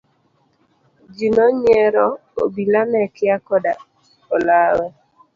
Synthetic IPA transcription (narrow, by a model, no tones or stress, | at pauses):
d͡ʒinɔɲɛɾɔo̰bilanɛkɪakɔda | olawɛ